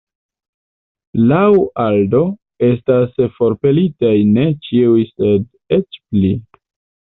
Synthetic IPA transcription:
lawaldo̞ | e̞stasfo̞ɾpe̞litajne̞t͡ʃiujse̞d | et͡ʃpli

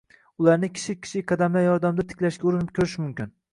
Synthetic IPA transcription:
ʊlˠɑɾnɪkʲʰi̥ʃɪkʲʰi̥ʃɪkʰɑd̪amlajɒd̪amd̪at̪ʰɪ̥kʲlæʃkʲɛuɾɪnɪp̚kʲʰøɾɪʃmʊmkʲɪn

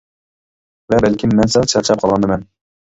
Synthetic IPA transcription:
vɛbɛlkʲʰimːɛnsɛlt͡ʃʰɛɾt͡ʃʰɑp̚qɑlˠʁɑnd̪ɨmɛn

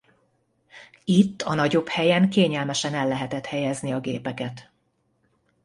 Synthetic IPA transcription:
it̪ːɒnɒɟo̞phɛjɛŋkeːɲɛlmɛʃɛnɛlːɛɦɛt̪ɛt̪hɛjɛzniɒɡeːpɛkɛt̪

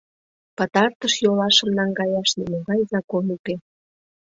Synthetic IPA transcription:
pət̪ɑrt̪əʃjolɑʃə̆mnɑŋɡɑjɑʃnimoɣɑjzɑkonupe

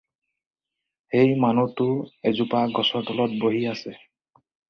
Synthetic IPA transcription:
hejmanutʊezupaɡɔsɔtɔlɔt̚boɦiasɛ

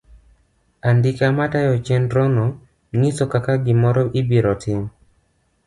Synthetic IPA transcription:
andɪkamatajɔt͡ʃɛnɾɔnɔ | ŋɪsokakaɡɪmɔɾɔʔibiɾɔtʰɪm

